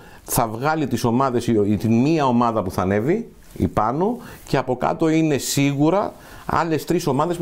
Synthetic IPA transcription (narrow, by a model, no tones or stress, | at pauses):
θɐvɣɐlit̪iso̞mɐðe̞st̪inmiɐo̞mɐðɐpuθɐne̞vi | ḭpɐnoceɐpo̞kɐ̰t̪o̞ine̞siɣuɾɐ | ɐ̰le̞st̪ɾiso̞mɐðe̞sp